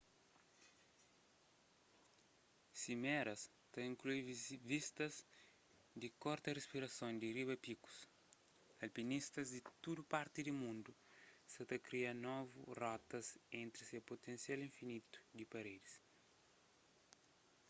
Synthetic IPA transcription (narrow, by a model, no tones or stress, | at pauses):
simɛɾɐs | t̪aĩŋkluivist̪ɐz | d̪ikɔɾt̪ɐrespiɾɐsõnd̪iriβɐpiku̥s | ɐlpinist̪ɐzd̪it̪ud̪upaɾt̪id̪imũnd̪u | sɐt̪ɐkɾianɔvṵrɔt̪ɐzẽnt̪ɾisepot̪ẽnsjalĩɱfinit̪u̥d̪ipɐɾed̪is